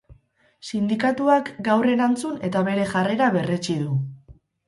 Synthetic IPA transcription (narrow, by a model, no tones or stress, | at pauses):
sind̪ikat̪uakɡawre̞ɾant͡sune̞t̪aβe̞ɾe̞ʝare̞ɾaβe̞re̞t͡ʃiðu